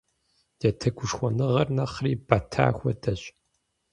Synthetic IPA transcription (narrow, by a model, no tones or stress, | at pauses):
d̥ɐtʰɐɡʷʊʂxʷɔnɨʁɐrnɐχriːbatʰa̰ːxʷɔdɐɕʼ